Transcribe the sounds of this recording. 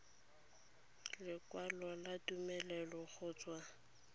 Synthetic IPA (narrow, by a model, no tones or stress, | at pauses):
lɪkwalɔlatumɛlɛlɔχʊːt͡sʼwa